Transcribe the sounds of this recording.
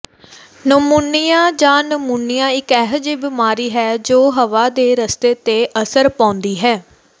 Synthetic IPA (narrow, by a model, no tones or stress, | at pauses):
nəmunɪjãːd͡ʒãːnəmuːnɪjãːɪkɛːɦd͡ʒiːbɪmaːɾiːɦɛːd͡ʒoːɦəʋaːd̪eːɾəst̪eːt̪eːʔəsəɾpãːʊnd̪iːɦɛː